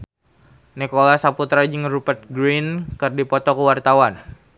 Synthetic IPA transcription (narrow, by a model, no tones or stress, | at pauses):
nikolasaput̪ɾad͡ʒɨŋɾupərt̪̚ɡɾinkɨrdipɔt̪ɔkəwart̪awan